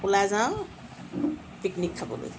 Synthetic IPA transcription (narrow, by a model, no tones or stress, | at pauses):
ulazã | piknikʰːɐpo̰lṵt̪ʰ